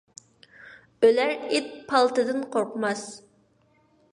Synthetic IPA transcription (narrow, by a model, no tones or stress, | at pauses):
ølæɾet̪̚pʰɑlˠt̪ɨd̪ɨnqʰoɾqmɑs